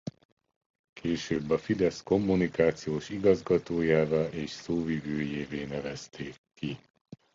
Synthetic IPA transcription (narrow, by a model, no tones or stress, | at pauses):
kʰeːʃøːbːɒfid̪ɛsko̞mːunikaːt̪sijoːʃiɡɒzɡɒt̪oːjaːvaʔeːʃsoːvivøːjeːveːnɛvɛst̪eːkːi